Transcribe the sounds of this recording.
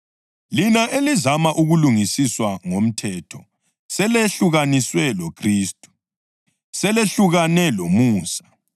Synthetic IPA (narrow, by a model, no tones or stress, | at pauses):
linaʔelizamaʔuɣuluŋisiswaŋom̩tʰɛtʰɔ | sɛleɬuɣaniswɛlokʰriːstʼu̥ | sɛleɬuɣanɛlomuːsḁ